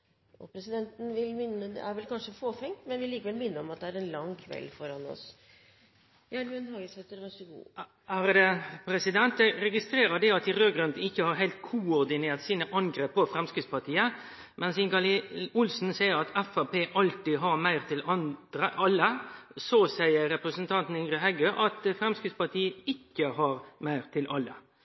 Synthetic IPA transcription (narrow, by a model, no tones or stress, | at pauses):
ɔpʰɾɛsɪd̪ɛnt̪n̩ʋɪlmɪnːəd̪ɛ̰æɾʋɛlkʰɑnʂəfoːfɛŋt̪mɛnʋɪliːkəʋɛlmɪnːəɾɔmɑt̪̚d̪ɛæɾɛnlɑŋkʰʋɛ̰lfɔɾɑnɔ̰s | jɑnʉːənhɑːɡəshɛt̪ːəɾʋæsəɡṵː | æɾd̪ɛpʰɾɛsɪd̪ɛnt̪̚d̪ɛɾɛɡɪst̪ɾeːɾəd̪ɛɑt̪ɪɾøːɡɾʉnd̪n̩ɪçːəhɑɾɦæɪlt̪kʰʊɔɾd̪ɪneːɾt̪siːnəʔɑŋɡɾeːpːɔfɾɛmskɾɪt̪spʰɑt̪ʰiːə | mʔɛnsɪŋɡɑlɪʊlsn̩sæɪəɾɑt̪ʰɛfæpeːʔɑlt̪ɪɦɑɾmæɪʁt̪ʰɪlɑnəɑlːəsoːsæɪəɾɛpɾəsn̩t̪ʰɑnt̪n̩ɪŋɡʁəɦɛɡəʔɑt̪fɾɛmskɪt̪spɑt̪ʰiːəɪkːəɦɑɾmæɪʁt̪ʰɪlʔɑlːə̰